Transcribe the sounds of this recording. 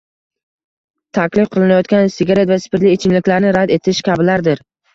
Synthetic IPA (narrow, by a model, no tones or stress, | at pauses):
t̪ʰakʲlɪfqʰɨlˠɪnajɒt̪̚kʲansɪɡʲaɾat̪vasɪ̥pʰɪɾlɪet͡ʃʰɪmlɪkʲlaɾnɪɾad̪e̞t̪ʰɪʃkʲʰabɪlaɾd̪ɪɾ